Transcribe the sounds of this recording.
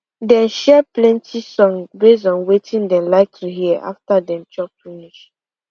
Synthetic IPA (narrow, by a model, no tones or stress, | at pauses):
dɛ̃nʃɛplɛ̃ntʰisɔ̃ŋbezɔ̃nwetʰĩndɛ̃mlaɪk̚tʰuɦiɛʔa̰ftadɛ̃mt͡ʃɔp̚finiʃ